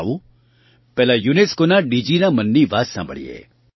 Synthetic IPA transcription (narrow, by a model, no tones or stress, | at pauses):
ʋu | pɛːlajuneskonaɖid͡ʒinamənːiʋaːssã̰bʱə̰ɽḭḛː